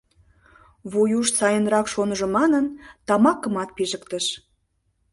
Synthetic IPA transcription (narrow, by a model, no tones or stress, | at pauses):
βujuʃsɑjənrɑkʃonəʒŏmɑnənt̪ɑmɑkə̆mɑt̪̚piʒəkt̪əʃ